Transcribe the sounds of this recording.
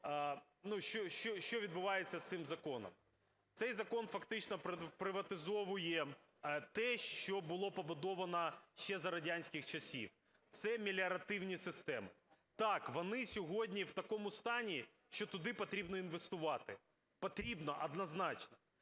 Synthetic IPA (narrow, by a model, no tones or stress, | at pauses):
nuʃt͡ʃɔʃt͡ʃɔʃt͡ʃɔʋʲid̪̚bʊʋɑjet͡sʲːɐst̪ɪmzɐkɔnɔ̰m | t̪sɛjzɐkɔnfɐkt̪ɪt͡ʃnɔppɾɪʋɐt̪ɪzɔʋʊjɛ | t̪ɛʃt͡ʃɔbʊlˠɔpɐbʊd̪ɔʋɐnɐʃt͡ʃːɛzɐɾɐdʲanʲsʲkʲɪxt͡ʃɐsʲḭw | t̪sɛmʲilʲɐɾɐt̪ɪwnʲisɪst̪ɛmɪt̪ɑkʋɔnɪsʲɔɦɔdʲnʲiwt̪ɐkɔmʊst̪ɑnʲi | ʃt͡ʃɔt̪ʊd̪ɪpɐt̪ɾʲibnɔinʋest̪ʊʋɑt̪ɪ | pɔt̪ɾʲibnɔʔɐd̪nɐznɑt͡ʃnɔ